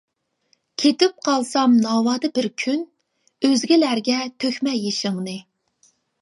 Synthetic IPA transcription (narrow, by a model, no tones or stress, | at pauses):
kʲʰet̪ɪp̚qʰɑlˠsɑmnɑːwɑːd̪ɨbɪɾkʲʰyn | øzɡʲilæɾɡʲɛt̪ʰøxʲmɛjːeʃɨŋnɨ